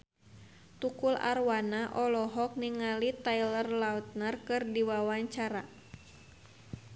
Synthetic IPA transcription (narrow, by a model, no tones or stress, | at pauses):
t̪ukula̰rwanaʔɔlɔɦɔk̚niŋalit̪ailərlaut̪̚nərkɨrdiwawaɲt͡ʃaɾa